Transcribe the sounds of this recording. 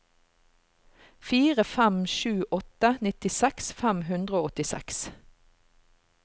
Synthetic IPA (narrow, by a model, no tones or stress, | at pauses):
fiːʁəfæmʃʉːʔɔt̪ənɪt̪ɪsæksfæmhʉnd̪ʁəoːɔt̪ɪsɛ̰ks